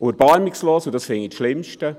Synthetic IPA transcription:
ʔod̪əɾb̥ɑɾmiksloːsudɑsfɛŋitʃlɪmʃtə

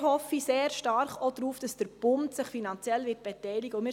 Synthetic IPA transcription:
hɔfiseːɾʃtɑɾχod̪ɾuːfd̥ɑsd̥əɾb̥ʊntsɪχfinɑnt͡sjɛlʋɪːt̚b̥ɛtɛɪlɪɡ̥əʊmɪː

